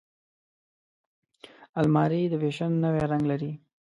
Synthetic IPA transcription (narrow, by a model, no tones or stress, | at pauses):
almɑɾid̪əweʃənːəweɾaŋɡlaɾi